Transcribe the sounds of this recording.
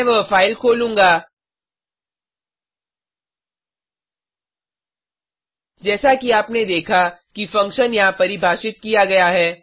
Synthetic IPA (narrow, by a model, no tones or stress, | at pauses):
ʋɐfaːɪlkʰoːlũːŋɡaː | d͡ʒɛːsakiaːpned̪eːkʰakifɐ̃ŋkʃənjɐɦãpɐɾibʱaːʃɪt̪̚kijaɡɐjaɦɛː